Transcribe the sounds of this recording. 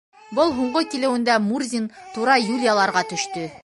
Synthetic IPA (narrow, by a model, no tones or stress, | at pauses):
bɤlˠɦuɴɢɤkilɘ̆wɘ̆nd̪æmurzʲint̪uɾɑjulʲjalˠɑɾʁɑt̪ɵ̆ʃt̪ɵ